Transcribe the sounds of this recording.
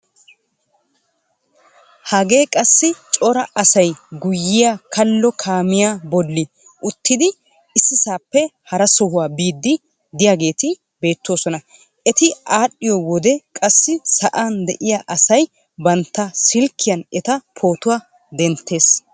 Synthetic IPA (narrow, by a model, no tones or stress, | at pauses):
hɐɡe̞ːkʼɐsːɪt͡ʃʼɔɾɐʔɐsɐjɡʊjːɪjakɐlːɔkʰaːmɪjabɔlːɪ | ʔʊt̪ːɪd̪ɪ | ɪsːɪsaːpːɛhɐɾɐsɔhʊwaːbiːd̪ːɪ | d̪ɪjaːɡe̞ːt̪ɪ | be̞ːt̪ːo̞ːsɔnɐ | ʔɛt̪ɪaːɗːɪjɔwɔd̪ɛkʼɐsːɪsɐʔaːnd̪ɛʔɪjaʔɐsɐj | bɐnt̪ːɐsɪlkʰːɪjɐnɛt̪ɐpʰo̞ːt̪ʊwaː | d̪ɛnt̪ʰːe̞ːs